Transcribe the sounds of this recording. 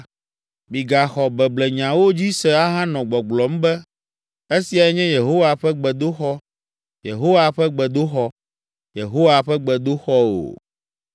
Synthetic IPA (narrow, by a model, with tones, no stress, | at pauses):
bi˨ɡa˨xɔ˨bɛ˨blɛ˨ɲã˨wo˦d͡ʑi˦sɛ˨a˦ɦã˦nɔ̃˨ɡ͡bɔ˨ɡ͡blɔ˨m˦bɛ˦ | e˦si˨a˨ɛ˦ɲɛ̃˦je˨ɦo˦wa˨ɸɛ˦ɡ͡bɛ˨d̪o˦xɔ˦ | je˨ɦo˦wa˨ɸɛ˦ɡ͡bɛ˨d̪o˦xɔ˦ | je˨ɦo˦wa˨ɸɛ˦ɡ͡bɛ˨d̪o˦xɔ˦o̰˨